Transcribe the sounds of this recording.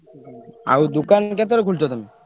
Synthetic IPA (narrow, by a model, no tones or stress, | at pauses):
a̰wd̪ukankɛt̪̬oɾekʰult͡ɕʰot̪omi